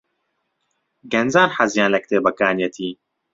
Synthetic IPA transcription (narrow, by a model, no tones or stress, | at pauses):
ɡɐnzaːɾħazjãːnlɐk̚t̪eːbɐkaːnjɐt̪ʰiː